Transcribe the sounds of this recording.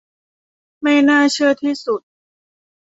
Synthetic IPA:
ma˥˩jnaː˥˩t͡ɕʰɯ˥˩ɐət̪ʰiː˥˩su˨˩t̪̚

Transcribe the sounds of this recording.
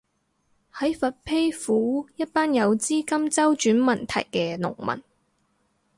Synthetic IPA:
hɐ˨˥jfɐ˨t̚pʰe˥jfuː˨˥jɐ˥t̚paː˥njɐ˨˧wt͡siː˥kɐ˥mt͡sɐ˥wt͡ʃyː˨˥nmɐ˨˩nt̪ʰɐ̰˨˩jkɛː˧nʊ̰˨˩ŋmɐ̰˨˩n

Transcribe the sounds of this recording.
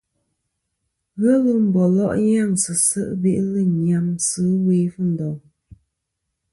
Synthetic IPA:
ɣə˦lə˦m̩˨bɔ˨lɔ̰˦ʔɲa˦˨ŋsɨ˨sə̰˦ʔbe˦ʔlə˦˨ɲa˨msɨ˦weː˦fə˦n̩˨dɔ˨ŋ

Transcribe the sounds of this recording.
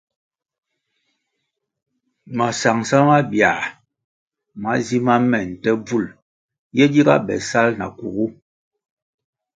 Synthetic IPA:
ma˨sa˨ŋsa˦ma˦bja˨ | ma˦zi˦ma˦mɛ˨n̩˨tɛ˦b͡vu˦˨l | jɛ˦di˦ɡa̰˦bɛ̰˨sa˦lna̰˨ku˨ɣu˦

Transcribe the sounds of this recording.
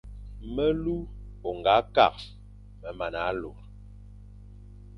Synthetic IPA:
mə˦lu˦ | o˨ŋɡa˨˦ka̰˦˨k̚ | mə˨ma˨na˨˦lo˨ɾ

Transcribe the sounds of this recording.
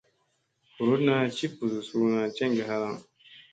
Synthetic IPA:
u˨ɾo˦dna˦t͡ʃi˦pu˨zu˨su˦nã˨t͡ʃɛ̃˦ŋ˦ɡɛ˨ɦa˦ɾa˦˨ŋ

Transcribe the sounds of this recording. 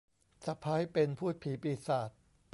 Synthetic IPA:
sa˧˩pʰaː˦˥jpe˧npʰuː˥˩t̪̚pʰiː˩˦piː˨˩saː˨˩t̪̚

